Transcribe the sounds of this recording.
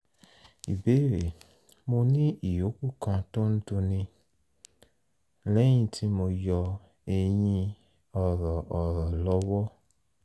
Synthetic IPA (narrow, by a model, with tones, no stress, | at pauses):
i˨be˨˦ɾe˨ | mo˧nĩ˦i˨jo˨˦ku˦˨kã˧to˦ñ̩˦do˧nĩ˧ | lɛ˦j̃ĩ˧tʰi˦mo˧jɔ˧ | e˧j̃ĩ˧ | ɔ˨ɾɔ˨ʔɔ˨ɾɔ˨lɔ˦wɔ˦